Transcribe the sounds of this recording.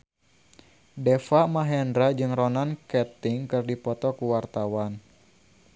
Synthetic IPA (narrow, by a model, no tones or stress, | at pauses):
dɛfamaɦɛndɾad͡ʒɨŋrɔnankɛt̪ɪŋkɨrdipɔt̪ɔkuwart̪awan